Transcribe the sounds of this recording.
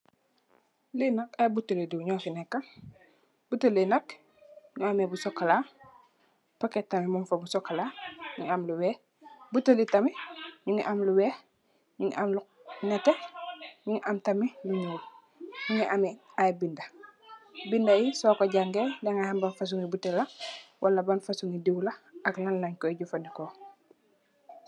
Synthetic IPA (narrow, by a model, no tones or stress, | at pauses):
linɐkajbutːəleduɲɔːfinɛkːal | b̥utːəlinɐk | ɲuamebusɔkːala | pɐkɛtːɐmimumfɐbusɔkːalaɲuɲamluwɛ | butːəlitɐmiɲuŋiʔamluwɛː | ɲuŋḭʔamlu | nɛteɲuŋiʔamtɐmiluɲeːl | ɲuŋiʔamɛ | ajbindɐ | bindɐjisɔːkoɟaŋɡendɛŋahambanfas̬uŋibutelɐwʔalɐbanfasuŋidiwlɐɐknanlɐɲkɔɛɟufɐnikɔ